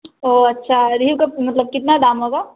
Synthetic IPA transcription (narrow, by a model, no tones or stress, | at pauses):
oɐtːʃʰad̪iːbkɐmɐt̪ləb̚kɪt̪nad̪aːmɦoːɡa